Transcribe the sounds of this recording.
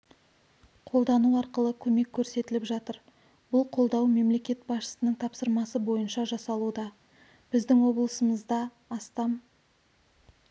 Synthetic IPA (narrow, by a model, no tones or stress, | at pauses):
qʰo̞lˠd̪ɑnuɑɾqəlˠəkʲʰɵme̞kʲʰːɵɾse̞t̪ɪlɪpʒɑt̪əɾ | b̥ʊlˠqʰo̞lˠd̪ɑwme̞mle̞kʲe̞t̪̚bɑsʃə̥sənəɴt̪ʰɑpsəɾmɑsəbo̞jənʃɑʒɑsɑlˠud̪ɑ | b̥ɪzd̪ɪŋwo̞blˠəsəməzd̪ɑː | st̪ɑm